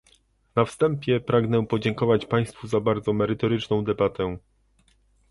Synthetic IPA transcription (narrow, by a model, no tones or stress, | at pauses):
nafst̪ɛmpʲjɛpɾaɡnɛpɔd͡ʑɛŋkɔvat͡ɕpaj̃st̪fuzabaɾd̪zɔmɛɾɘt̪ɔɾɘt͡ʂnɔ̃w̃d̪ɛbat̪ɛ